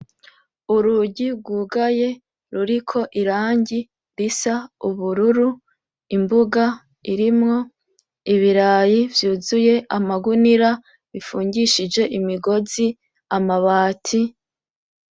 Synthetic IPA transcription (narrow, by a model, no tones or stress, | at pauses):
uɾuɟiɡuːɡaje̞ | ɾuɾikʰo̞ʔiɾaːɲɟi | ɾisauβuɾuɾu | imbuɡa | iɾimŋo̞ | iβiɾaːjivjuːzuje̞ʔamaɡuniɾa | βifuːɲɟiʃid͡ʒe̞ʔimiɡo̞zi | amaβaːtʰi